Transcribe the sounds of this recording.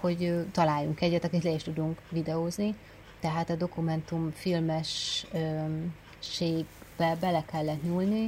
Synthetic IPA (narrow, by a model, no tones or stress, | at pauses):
ho̞ɟøt̪ɒlaːjːuŋkɛɟːɛt̪ɒkit̪lɛiʃt̪ud̪uŋkvid̪ɛoːzni | t̪ɛɦaːt̪ɒd̪o̞kumɛnt̪umfilmɛʃøː | eːɡ | bɛbɛlɛkɛlːɛt̪ɲuːlni